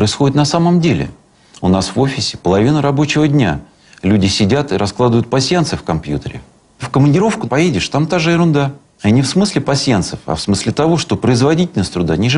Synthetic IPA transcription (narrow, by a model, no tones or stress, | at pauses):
pɾəɪsxodɪt̪nɐsaməmdʲelʲɪ̰ | ʊnasvo̞fʲɪsʲɪ̥pəlˠɐvʲinəɾɐbo̞t͡ɕɪvədʲnʲa̰ | lʲudʲɪsʲɪdʲat̪ɨɾʔɐsklˠad̪əvʊjʊt̪̚pɐsʲjant̪sɨfkɐmpjut̪əɾʲɪ̰ | fkəmənʲdʲɪɾo̞fkʊpɐjedʲɪʂt̪amt̪aʐɨɪɾʊnd̪a | anʲɪfsmɨsʲlʲɪpɐsʲjant̪səfɐ̰fsmɨsʲlʲɪt̪ɐvo̞ʂt̪o̞pɾəɪzvɐdʲitʲɪlʲnəsʲt̪ɾʊd̪anʲiʐɨ